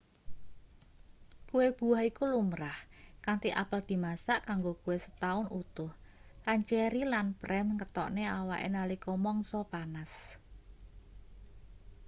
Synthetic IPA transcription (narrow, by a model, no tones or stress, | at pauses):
kuweb̥ṳahikulumɾahkaŋt̪iʔapəld̪̥i̤masaʔkaŋɡokuwesə̥t̪aʊnut̪ʊhkant͡ʃɛɾilanpɾɛmkət̪ɔʔneawa̰ʔḛnalikɔmɔŋsɔpanas